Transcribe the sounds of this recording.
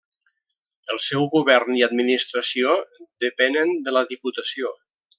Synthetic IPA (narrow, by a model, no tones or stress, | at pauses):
əlˠsɛwɣuβɛrniəd̪minist̪ɾəsiod̪əpɛnənd̪ələðiput̪əsio